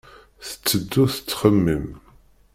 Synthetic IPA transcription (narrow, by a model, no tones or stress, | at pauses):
θə̥t͡sːəd̪ːuθə̥t͡sːχəmːim